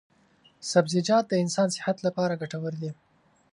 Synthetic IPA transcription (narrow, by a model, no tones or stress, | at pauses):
sabzɪd͡ʒɑd̪̚d̪əɪnsɑnsɪ̥hat̪lapɑɾaɡaʈawəɾd̪i